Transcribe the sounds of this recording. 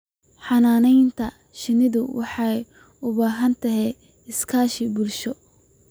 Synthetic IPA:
ħɑnaːnɛjnt̪ʰɐ | ʃɪnɪðʊwɑħɑj | ʊβaːɦɐnt̪ʰɐɦɛj | ɪskʰaːʃɪbʊlʃɔ

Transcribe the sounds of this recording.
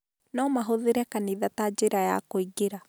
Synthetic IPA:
nɔmaɦoðeɾɛkaniðatad͡ʑeɾaja̰koiɡeɾa

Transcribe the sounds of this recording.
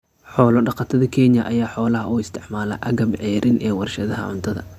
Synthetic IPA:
ħɔːlɔɖɑqɑt̪ʰɐðɐkʰɛːnjɐʔɐjaːħɔːlɐɦɐuːɪst̪ʰɪʕmaːlɐ̰ʔɐɣɐmʕɛːɾɪnʔɛːwɑrʃɐðɐɦɐʕʊ̰nt̪ʰɐðɐ̰

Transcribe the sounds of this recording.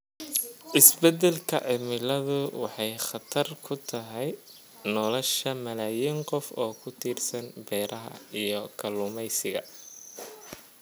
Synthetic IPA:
ʔɪsbɛd̪ɛlkʰɐ̰ʕɪmɪlɐðʊwɑħɑjχɑt̪ʰɐrkʰʊt̪ʰɐɦɛj | nɔlɔʃɐmɐlaːjiːŋqɔfɔːkʰʊt̪ʰiːrsɐnbɛːɾʔɐɦɐ̰ijɔkʰɐlʊmɛjsɪɣɐ̰

